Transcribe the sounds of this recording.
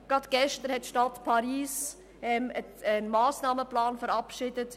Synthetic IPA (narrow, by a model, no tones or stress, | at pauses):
ɡ̥ɾɑt̪ɡ̥ɛʃtəɾhɛtːʃtɑtpʰɑɾiːs | ʔɛməənmaːsnɑːməplɑːnfəɾɑpʃɪdət